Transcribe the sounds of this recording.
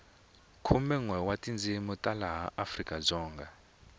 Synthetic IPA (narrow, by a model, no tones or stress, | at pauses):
kʰumɛŋwɛwatind͡zimutʼalaɦaʔafrikʼad͡zɔːŋɡa